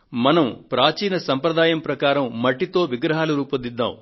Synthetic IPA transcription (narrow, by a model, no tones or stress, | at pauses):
mɐnɐmpɾaːt͡ʃiːnɐsɐmpɾɐd̪aːjɐmpɾɐkaːɾɐmːɐʈːit̪o̞ːʋiɡɾɐɦaːlɐɾuːpɐd̪id̪ːa̰ːm